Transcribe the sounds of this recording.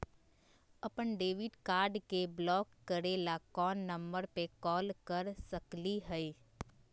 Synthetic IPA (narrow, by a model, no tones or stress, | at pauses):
ɐpənɖeːʋɪɖkaːɾɖkeblɔːkːəɾeːlakɔːnːə̃mbəɾpekɔːlkəɾsəkliɦɛi